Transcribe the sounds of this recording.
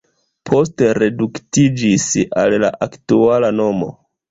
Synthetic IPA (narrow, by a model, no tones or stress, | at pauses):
pʰo̞ste̞ɾe̞duktid͡ʒisa̰lla̰ʔaktualano̞mo̰